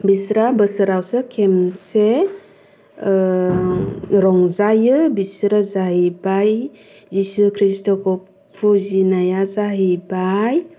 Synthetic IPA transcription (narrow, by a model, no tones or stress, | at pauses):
bisɾabɯsɯɾawsɯkʰemse | ɾɔŋzajɯbisɾazaɦibaj | zisukʰɾistɔkʰɔ | pʰuzinajazaɦibaj